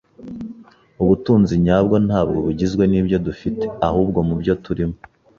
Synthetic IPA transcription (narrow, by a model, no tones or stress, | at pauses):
uβutuːnziɲaːb̚ɡo̞n̥haːbɡo̞βuɟizɡwe̞niːbjo̞dufite̞̥ahuːb̚ɡo̞mubɟo̞tuɾimo